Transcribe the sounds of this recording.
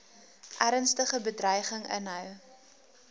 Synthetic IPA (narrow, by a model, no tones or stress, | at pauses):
ʔæɾənstəχəbədrœjχəŋə̰nɦœw